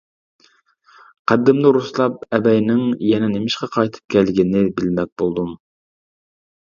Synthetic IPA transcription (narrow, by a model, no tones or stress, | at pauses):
qʰæd̪ːɪmnɨɾuslˠɑp̚ɛbɛjnɪŋjɛnɛnɪmɪʃqɑqʰɑjt̪ʰɨ̥p̚kʲʰælɡʲɪnɪbɪlmɛk̚bolˠd̪um